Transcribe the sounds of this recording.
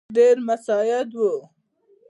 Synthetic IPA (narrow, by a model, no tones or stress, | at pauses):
ɖeɾmasɑjad̪wə